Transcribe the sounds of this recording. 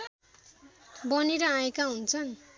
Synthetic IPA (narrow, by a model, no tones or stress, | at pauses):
bʌniɾʌãekaɦunt͡sʰʌn